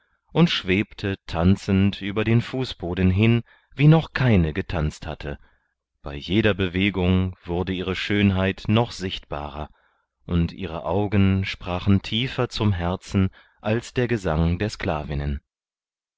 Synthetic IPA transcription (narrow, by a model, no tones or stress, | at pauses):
ʔʊntʃv̥eːptʰətʰant͡sn̩tʔyːbɐdeːnfuːsb̥oːdn̩ɦɪn | viːnɔχkʰaɪnəɡətʰant͡stha̰tʰə | b̥a̰ɪjeːdɐbəveːɡʊŋv̥ʊɐdəʔiːʁ̞əʃøːnɦaɪtnɔχz̥ɪçtb̥a̰ːʁɐ̰ | ʔʊntʔḭːʁə̰ʔaʊɡənʃpʁ̥aːχn̩tʰiːfɐt͡sʊmɦɛɐt͡sn̩ | ʔalsd̥eːɐɡəzaŋdeːɐsklaːvɪnən